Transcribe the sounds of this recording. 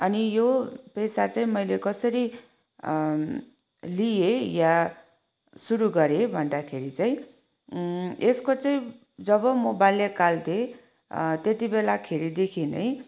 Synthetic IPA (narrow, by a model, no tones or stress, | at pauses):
ʌnijopʌjsat͡saĩmʌjlekʌsʌɾi | lijeja | suɾuɡʌɾebʱʌnd̪akʰeɾit͡saĩ | eskot͡saĩ | d͡zʌbʌmobajljakalt̪ʰe | t̪et̪ibelakʰeɾid̪ekʰinʌ̰j